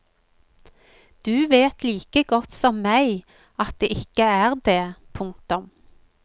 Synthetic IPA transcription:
d̪̥ʉːʋeːt̪liːkəɡɔt̪sɔmːæɪ | ɑt̪̚d̪eːʔɪkəæːʁd̪eːpʰʊŋk̚t̪ʊm

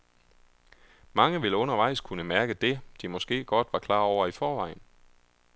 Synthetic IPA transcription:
mɑ̈ŋəʋeləɔ̽nɐʋɑ̈ɪ̰skʰunəmæɐɡ̥əd̥e̝d̥imɒ̽sɡ̥e̝̰ːɡ̥ɒ̽d̥ʋɑ̈kʰlɑ̰̈ːɒʊ̰ɐifɒːʋɑ̈ɪn̩

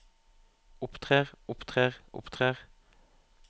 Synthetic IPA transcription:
ʊpt̪ʰʁeːʁʊpt̪ʰʁeːʁʔʊ̰pt̪ʰʁeːʁ

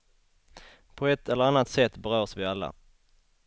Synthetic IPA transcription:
pʰɔɛt̪ːɛlːəɾanːat̪sɛt̪ːbɛɾœːsvɪalːa̰

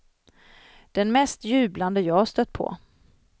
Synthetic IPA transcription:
d̪̥ɛnmɛst̪jʉ̟ːbland̪əjɑːhast̪œt̪̚ːpʰɔ̰

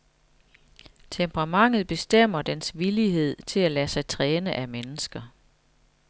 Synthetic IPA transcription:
t͡sʰempʰʁɑ̈mɑ̈ŋ̰ð̞̩ˠb̥e̝sd̥em̰ɐd̥ensʋiliɦe̝ð̞̰ˠt͡sʰe̝lælæsɑ̈ɪt͡sʰʁɛːnəʔæmenəsɡ̥ɐ

